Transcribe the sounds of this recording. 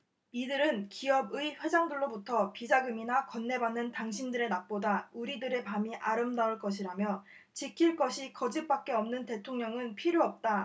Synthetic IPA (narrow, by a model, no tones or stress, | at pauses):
idɯɾɯnkiʌbɯiɸwe̞d͡ʑaŋdɯɭːobutʰʌpid͡ʑaɡɯminakʌnːe̞banːɯntaŋɕʰindɯɾe̞nak̚p͈odauɾidɯɾe̞pamiʔaɾɯmdauɭk͈ʌɕ̬ʰiɾamjʌ | t͡ɕikʰiɭk͈ʌɕʰikʌd͡ʑip̚p͈ak͈̚e̞ʌmnɯnte̞tʰoŋɲʌŋɯnpʰiɾjoʌp̚t͈a